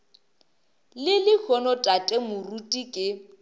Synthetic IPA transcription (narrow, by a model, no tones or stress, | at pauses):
lɪlɪk͡xʰɔnɔtʼatʼɛmʊrutʼikʼɪ